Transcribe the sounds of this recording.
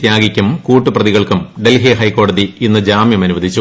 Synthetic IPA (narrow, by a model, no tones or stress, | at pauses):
t̪jaːɡikʲːumkuːʈːuprɐðiɣɐɭkumɖelɦeɦɐjko̞ːɽɐðiinːɨd͡ʑaːmjɐmɐnuʋɐd̪ʱit͡ɕːu